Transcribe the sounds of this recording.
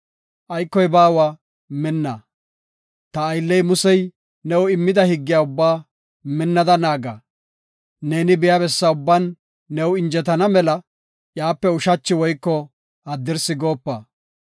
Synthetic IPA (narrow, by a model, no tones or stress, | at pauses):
ʔɐjkːɔjbaːwaː | mɪnːa | t̪ɐːjlːɛjmʊsɛj | nɛwɪmːɪd̪ɐhɪɡːɪjaːʊbːaː | mɪnːɐd̪ɐnaːɡa̰ː | ne̞ːnɪbɪjaːbɛsːɐʊbːɐnː | ɛwɪnd͡ʒɛt̪ɐnɐmɛlɐ | jaːpːɛʊʃɐt͡ʃːɪwɔjkːɔ | hɐd̪ːɪɾsɪɡo̞ːpːaː